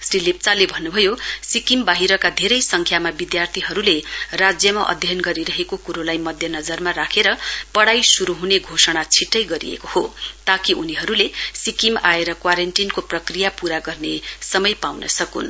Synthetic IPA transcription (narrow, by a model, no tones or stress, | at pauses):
srilep̚t͡salebʱʌnːubʱʌjosikimbaɦiɾʌkad̪ʱeɾʌjsʌŋkʰjamabid̪jart̪ʰiɦʌɾulerad͡zjʌmaʔʌ̰d̪ʱjʌnɡʌɾiɾʌɦekokuɾolajmʌd̪ʱjʌnʌd͡zʌrmaɾakʰeɾʌpʌɽajsuɾuɦuneɡʱosʌɽ̃at͡sʰiʈːʌjɡʌɾḭḛkohot̪akiʔuniɦʌɾulesikimaeɾʌkwaɾenʈinkoprʌkrijapuɾaɡʌrnesʌmʌjpawnʌ̰sʌkṵn